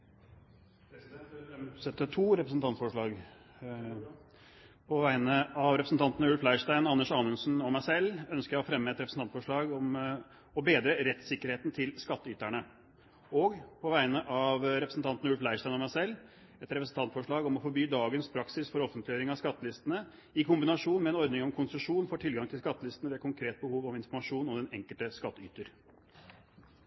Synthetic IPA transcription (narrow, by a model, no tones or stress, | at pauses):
sɛt̪ːət̪ʰuːɾɛpɾəsn̩t̪ɑnt̪fɔʂɭɑːɡ | pʰɔʋæɪnəɑʋɾɛpɾəsn̩t̪ɑnt̪ənəʉlflæɪʂʈæɪnɑnːəʂɑːnʉnsnɔmæɪsɛlːœnskəɾjæɪɔfɾɛmːəɛt̪ɾɛpɾəsn̩t̪ɑnt̪fɔʂɭɑːɡɔm | ɔbeːd̪ɾəɾɛt̪sɪkːəɾheːt̪n̩t̪ʰɪlskɑt̪ːəʏːt̪æɳə | oːɡpʰɔʋæɪnəʔɑʋɾɛpɾəsn̩t̪ɑnt̪n̩əʉlflæɪʂʈæɪɔmæɪsɛlː | ɛt̪ɾɛpɾəsn̩t̪ʰɑnt̪fɔʂɭɑːɡɔmɔfɔɾbyːd̪ɑːɡənspʰɾɑksɪsfɔɾɔfːənt̪lɪjøːɾɪŋɑskɑt̪ːəlɪst̪ənə | ɪkʰʊmbɪnɑʂuːnmɛɛːnɔɾd̪nɪŋɔmkʰʊnsəʂuːnfɔʈʰɪlɡɑŋt̪ʰɪlskɑt̪ːəlɪst̪ənəʋeːkʰʊŋkʰɾeːt̪̚bəhuːʋɔmɪnfɔɾmɑʂuːnɔmd̪ɛnɛŋkəlt̪əskɑt̪ːəy̰ːt̪əɾ